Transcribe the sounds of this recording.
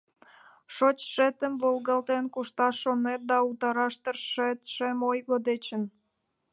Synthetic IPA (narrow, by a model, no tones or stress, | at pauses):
ʃot͡ɕʃet̪əmvolɣɑlt̪enkuʃt̪ɑʃːonet̪̚d̪ɑut̪ɑɾɑʃt̪ərʃet̪ʃemojɣod̪et͡ɕə̆n